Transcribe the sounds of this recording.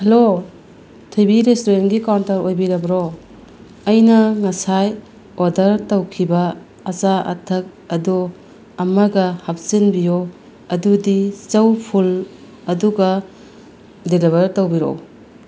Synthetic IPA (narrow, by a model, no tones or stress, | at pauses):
hɐlo | tʰibiɾestoɾenɡikawntɐɾojbiɾɐbɾo | ɐjnɐŋɐsaj | oɾdɐɾtowkʰibɐ | ɐzaɐ̰tʰɐk̚ɐdɔ | ɐmɐɡɐhap̚sinbijo | ɐdudit͡ʃɐwpʰul | ɐduɡɐ | deliβɐɾtowbiɾo̰